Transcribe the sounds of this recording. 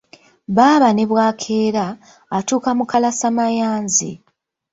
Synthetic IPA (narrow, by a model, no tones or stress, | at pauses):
βaːβane̞βwaːkʰe̞ːɾaː | tuːkamukalasamajaːnzḭ